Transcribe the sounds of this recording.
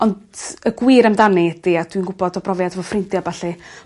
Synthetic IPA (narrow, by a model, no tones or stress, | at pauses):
ɔndəɡwiːɾəmdanid̥iad̥winɡʊbɔdɔbrɔvjadvɔfrɪntjabaɬi